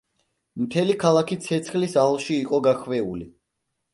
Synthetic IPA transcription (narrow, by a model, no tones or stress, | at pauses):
mt̪ʰɛlikʰalˠakʰit̪sʰɛt̪sʰχlisalˠʃiːqʼɔɡaχvɛuli